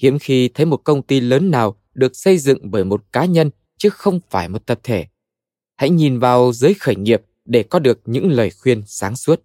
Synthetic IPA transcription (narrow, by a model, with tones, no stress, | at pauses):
hḭ˧˥əmxi˧t̪ʰə˨˦jmo˨˩t̚kə˧wŋ͡mt̪i˧ləː˨˦nːaː˨˩w | ɗɨ˨˩ək̚sə˧jzɨ̰˧˨ŋɓəː˧˩jmo˨˩t̚kaː˨˦ɲə˧n | t͡ɕɨ˨˦xə˧wŋ͡mfaː˧˩jmo˨˩t̚t̪ə˨˩p̚t̪ʰe˧˩ | ha̰˧˥jɲi˨˩nvaː˨˩wzɨː˨˦jxəː˧˩jŋi˨˩əp̚ | ɗe˧˩kɔ˨˦ɗɨ˨˩ək̚ɲɨ̰˧˥ŋləː˨˩jxwi˧ənsaː˨˦ŋsu˦˥ət̚